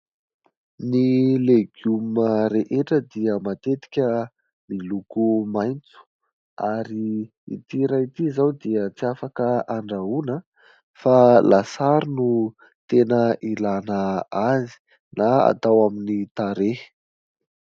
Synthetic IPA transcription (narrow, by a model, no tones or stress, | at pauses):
nileɡuməɾeʔeʈ͡ʂəd̪iəmat̪et̪i̥kʲə | milukumajnt͡su̥ | aɾi | ḭt̪iɾajit̪izawd̪iət͡siafakəaɳɖ͡ʐaunə | falasaɾunu | t̪enəʔilanəazi̥ | naa̰t̪awaminit̪aɾe